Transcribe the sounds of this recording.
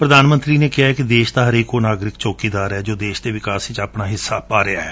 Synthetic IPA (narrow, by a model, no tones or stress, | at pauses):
pɾəd̪aːnmə̃nt̪ɾiːneːkɪaːɦɛːkɪd̪eːʃt̪aːɦəɾeːkoːnaːɡɾɪkt͡ʃoːkiːd̪aːɾɛːd͡ʒoːd̪eːʃd̪eːʋɪkaːsɪt͡ʃaːpnaːɦɪsːaːpaːɾea̰ːɦɛː